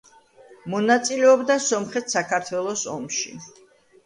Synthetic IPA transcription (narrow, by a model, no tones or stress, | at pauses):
mɔnat̪sʼilɛɔbd̪asɔmχɛt̪ʰsakʰaɾt̪ʰwɛlˠɔsɔmʃḭ